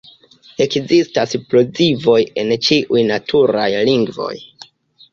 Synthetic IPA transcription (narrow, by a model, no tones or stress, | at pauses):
e̞kzistasplozivo̞je̞nt͡ʃiʔujnatʰuɾajliŋɡvo̞̰j